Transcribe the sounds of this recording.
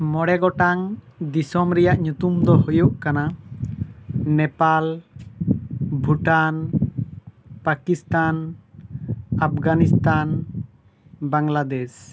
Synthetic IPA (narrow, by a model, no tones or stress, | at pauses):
mɔɽɛɡɔʈaŋd̪isɔmɾɛjaʔɲut̪umd̪ɔɦujuʔkana | nɛpal | bʱuʈan | pakist̪an | ap̚ʰɡanist̪an | baŋlad̪ɛs